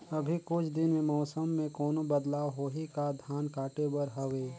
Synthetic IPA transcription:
ɐbʱikʊt͡ʃʰd̪ɪnmẽmɔːsəmːẽkɔːnobəd̪laːwɦoɦikad̪ʱjaːnkaːʈebəɾɦɐʋeː

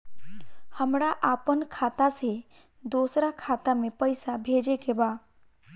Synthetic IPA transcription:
həmɾaʔaːpənkʰaːt̪ase | d̪oːsɾakʰaːt̪amẽpəɪsabʱeːd͡ʒekebaː

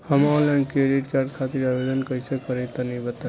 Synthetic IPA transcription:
həmalankɾeɖiʈkaɾ̚kʰat̪iɾabed̪ənkəisekəɾɛt̪ənibət̪a

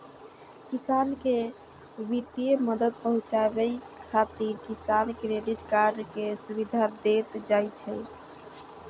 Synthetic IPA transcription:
kisanke | ʋit̪ieməd̪əd̪̚pəɦũt͡ʃabəj | kʰat̪iɾkisankɾeɖiʈkaɾɖkesuβid̪ʱad̪et̪d͡ʒajt͡ʃʰɛ

